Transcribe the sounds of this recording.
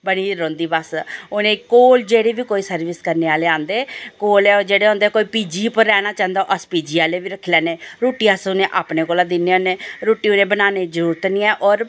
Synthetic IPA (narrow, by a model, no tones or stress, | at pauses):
bəɽ̃iːɾõːnd̪iːbəsʊnẽːkoːld͡ʒeːɽeːʋiːkoːiːsəɾʋɪskəɾneːaːleːãːnd̪eːkoːlɛːod͡ʒeːɽeːõːnd̪eːkoːiːpiːd͡ʒiːpəɾɛːɽ̃aːt͡ʃãːnd̪aːʔəspiːd͡ʒiːaːleːʋiːɾəkʰːlɛːneːɾoːʈiːasʊnẽːʔaːpnẽːkoːlaːd̪ɪnːeːaːneːɾoːʈiːʊnẽːbənaːneːd͡ʒəɾuːɾət̪nĩːɛːʔɔːɾ